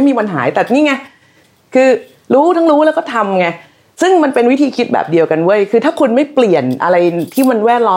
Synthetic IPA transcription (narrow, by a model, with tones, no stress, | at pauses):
jmiː˧wa˧nɦa̰ː˩˦jt̪ɛː˨˩niː˥˩ŋa˦˥ | kʰɯː˧ | ɾuː˦˥t̪ʰa˦˥ŋɾuː˦˥lɛː˦˥wkɔː˥˩t̪ʰa˧mŋa˧˩ | sɯ˥˩ŋma˧npe˧nwi˦˥t̪ʰiː˧kʰi˦˥t̪̚bɛ̰ː˨˩p̚di˧əwka˧nwu˥˩əjkʰɯː˧t̪ʰaː˥˩kʰu˧nma˥˩jpli˨˩ənʔa̰˧ɾa˧jt̪ʰiː˥˩ma˧nwɛː˥˩t̪̚lɔː˦